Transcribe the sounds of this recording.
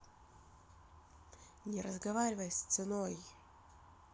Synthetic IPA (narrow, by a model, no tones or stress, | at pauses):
nʲɪɾəzɡɐvaɾʲɪvəjst̪sɨnoj